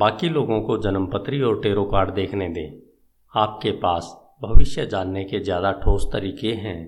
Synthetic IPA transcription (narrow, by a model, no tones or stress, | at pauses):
baːkiloːɡõkod͡ʒɐnəmpət̪ɾiɔːɾʈeːɾokaːɾɖd̪eːkʰned̪ẽː | aːp̚kepaːs | bʱɐʋɪʃjəd͡ʒaːnːekezjaːd̪aʈʰoːst̪əɾiːkeɦɛ̃ː